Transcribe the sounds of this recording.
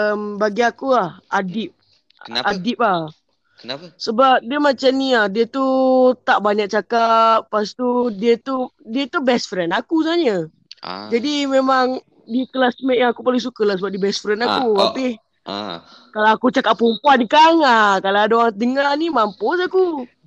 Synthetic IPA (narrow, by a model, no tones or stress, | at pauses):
əmbaɡiakulahadip̚ | adip̚lah | səbap̚diəmat͡ʃamniahdiət̪ut̪aʔbaɲak̚t͡ʃakat̚past̪udiət̪udiət̪ubɛsfɾɛnakusaɲə | d͡ʒadimemaŋ | dikəlasmɛʔjaŋakupalis̬ukəlahsəbap̚dibɛsfɾɛnakuapi | kalaakut͡ʃakaʔpumpuankaŋakalaadaoaŋ̚dəŋanimamposaku